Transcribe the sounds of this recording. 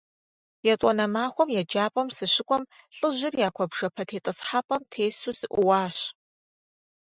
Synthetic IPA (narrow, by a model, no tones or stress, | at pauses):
jɛt͡sʼɔnɐmaːxʷɔmjɛd͡ʒaːpʼɐmsɨɕɪkʷʼɔm | ɬʼɨʑɪrjaːkʷʰɔbʐɐpʰɐtʰeːtʼɐsħapʼɐmtʰeːsuːzɨʔʷʊwaːɕ